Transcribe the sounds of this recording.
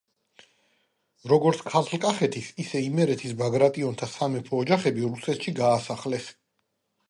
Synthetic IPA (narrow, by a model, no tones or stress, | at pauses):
ɾɔɡɔɾt̪sʰkʰat̪ʰlkʼaχɛt̪ʰisisɛimɛɾɛt̪ʰisbaɡɾat̪ʼiɔnt̪ʰasamɛpʰɔːd͡ʒaχɛbiɾusɛt̪ʃiɡaːsaχlɛs